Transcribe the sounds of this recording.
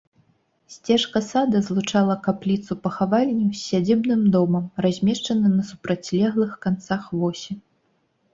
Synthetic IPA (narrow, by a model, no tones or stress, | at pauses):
sʲt͡sʲɛʂkɐsad̪ɐzlˠut͡ʂalˠɐkaplʲit̪supɐxavalʲnʲusʲːad͡zʲibnɨmd̪ɔmɐmrazʲmʲɛʂt͡ʂɐnɐnɐsu̥pɾat͡sʲlʲɛɣlˠɨxkant̪saxvɔsʲi